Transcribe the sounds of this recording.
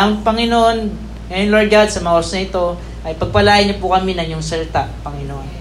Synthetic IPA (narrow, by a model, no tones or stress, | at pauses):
ɐŋpɐŋɪnoʔon | ŋɐjonloɹd̪̚ɡad̪sɐmɐŋɐʔoɾɐsnɐʔɪt̪o̞ | ʔɐjpɐɡ̚pɐlaːjɐɲɐpʊkɐminɐŋjʊŋsɐlɪt̪aʔpɐŋɪnoʔon